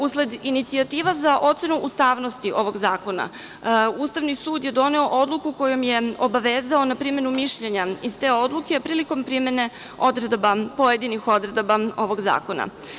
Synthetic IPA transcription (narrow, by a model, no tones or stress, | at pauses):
usle̞d̪init̪siat̪iːʋazaʔo̞t̪se̞nuʔust̪aːʋno̞st̪iʔo̞ʋo̞ɡzaːko̞na̰ | uːst̪aʋnisuːd̪je̞d̪o̞ne̞o̞ʔod̪lˠukuko̞jo̞mje̞obaʋeːzao̞napɾime̞numiʃʎeɲaizt̪e̞ːo̞d̪lˠukepɾiːliko̞mpɾime̞ne̞ | o̞d̪ɾed̪bapo̞jed̪inixo̞d̪ɾed̪bao̞ʋo̞ɡza̰ːko̞na̰